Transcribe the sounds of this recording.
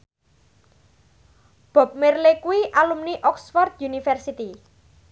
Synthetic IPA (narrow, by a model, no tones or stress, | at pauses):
b̥ɔ̤p̚merlekuwiʔalumniʔɔksfɔrd̪̚junifɛrsit̪i